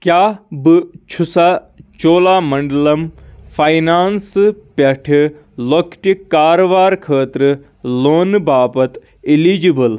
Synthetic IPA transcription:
kjaːbɨt͡ʃʰusa | t͡ʃoːlaːmɐɳɖlɐmfʰajnaːnspʲɐʈʰ | lokʈikːaːɾoʋaːɾkʰəːt̪ɾɨ | loːnbaːpɐt̪ | iliːd͡ʒibɐl

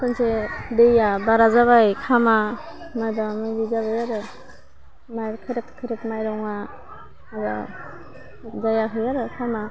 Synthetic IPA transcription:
kʰɯnsedejabaɾazaβajkʰama | majbamajbizaβajaɾɯ | majkʰɯɾep̚tʰkʰɯɾepmajɾɔwŋa | aza̰ | dajaɦɯjaɾɯkʰama

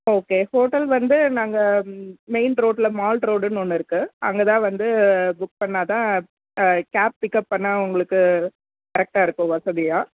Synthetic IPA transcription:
oːkeːhoːʈɐlʋɐnd̪ɯnaːŋɡɐmeɪnɾoːʈlɐmaːlʈɾoːɽɯnonːɯɪɾɯkːɯɐ̰ŋɡɐt̪ãːʋɐnd̪ɯbʊk̚pɐɳːaːt̪ãː | kaːp̚pɪkːɐpːɐɳːɐʊŋɡɐɭɯkːɯ | kɐɾɛk̚ʈaːɪɾɯkːʊ̃ʋɐsɐðɪjaː

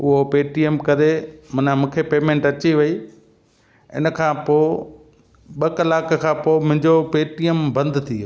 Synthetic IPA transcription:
ʊɦopeːʈijemkɐɾemʊnamũːkʰepeːmẽːɳʈɐt͡ɕiʋɐi | ɪ̰nəkʰãːpoː | ɓɐkəlaːkkʰãːpoːmʊ̃ɦɪ̃ɲd͡ʑopeːʈiəmbɐ̃nd̪t̪ʰiː

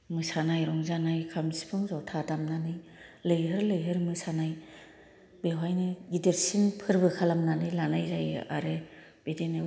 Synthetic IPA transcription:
mɯsanajɾɔŋzanajkʰamsi̥pʰɯŋzawtʰatamnanɯjlɯjɦɯɾlɯjɦɯɾmɯsanaj | bewajnɯɡideɾsinpʰɯɾbɯkʰalamnanɯjlanajzajɯa̰ɾɯ | b̥edenɯ

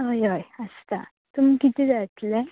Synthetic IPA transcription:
ɦojɦojəst̪a̰ | t̪umikit̪id͡zat̪le

